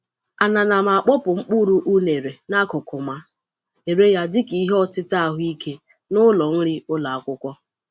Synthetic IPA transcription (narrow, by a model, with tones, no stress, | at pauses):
a˨na˨na˨ma˨a˨k͡pɔ˦pʊ˨ŋ͡m̩˦k͡pu˦ɾu˦ʔu˦ne˨ɾe˨na˦kʊ˨kʰʊ˨ma˦ | e˨ɾe˦ja˦dɪ˦ki˨˦ɦe˦ɔ˦˨tɪ˦ta˦˨ɦʊ˦i˦kʰe˦ | nʊ˦lɔ˨n̩˦ɾɪ˦ʊ˦la˨a˨kʷʊ˦kʷɔ˦